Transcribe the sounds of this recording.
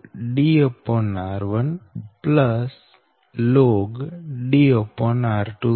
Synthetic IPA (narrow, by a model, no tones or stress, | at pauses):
ɖiopːõnaːɾʋənpləs | loːɡɖiopːɔ̃naːɾʈu